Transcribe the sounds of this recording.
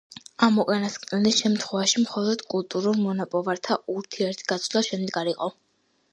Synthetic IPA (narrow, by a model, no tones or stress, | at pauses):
amɔkʼanaskʼnɛlisʃɛmt̪ʰχwɛvaʃimχɔlˠɔd̪̥kʼulˠt̪ʼuɾuɾmɔnapʼɔvaɾt̪ʰaʔuɾt̪ʰiɛɾt̪ʰɡat̪sʰlaʃɛmd̪ɛɡaɾiqʼɔ